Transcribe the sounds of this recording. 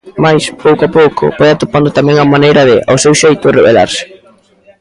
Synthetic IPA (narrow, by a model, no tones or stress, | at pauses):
majspowkoapowkʰʊ̰pɔjat̪opand̪ʊt̪amɛ̃ŋɐmanejɾɐðɪʔa̰wsewʃejt̪ʊreβḛla̰ɾsɪ̥